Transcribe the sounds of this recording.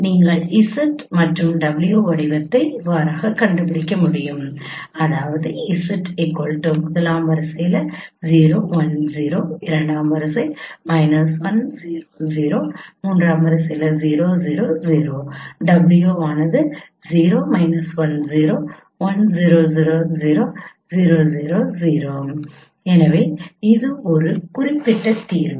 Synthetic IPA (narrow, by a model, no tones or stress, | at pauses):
niːŋɡɐɭɪsɐʈmɐʈrɯmɖɐbɪlɪjoːʋɐɽɪʋɐt̪ːɐɪʋaːɾaːɣɐkɐɳɖɯpɪɽɪkːɐmʊɽɪjɯm | ɐðaːʋɐðɯɪsɐʈɪkːɔɭʈːɐmʊðɐlaːmʋɐɾɐsɐjɪlɐziːɾoːʋɐnziːɾoːɪɾɐɳɖaːmʋɐɾɐsɐɪmɐɪnɐsʋɐnziːɾoːziːɾoːmuːndraːmʋɐɾɐsɐjɪlɐziːɾoːziːɾoːziːɾoːɖɐbljoːaːnɐðɯ | ziːɾoːmɐɪnɐsʋɐnziːɾoː | ʋɐnziːɾoːziːɾoːziːɾoː | ziːɾoːziːɾoːziːɾoː | ɛnɐʋeːɪðɯɔɾɯkʊrɪpːɪʈːɐt̪iːɾ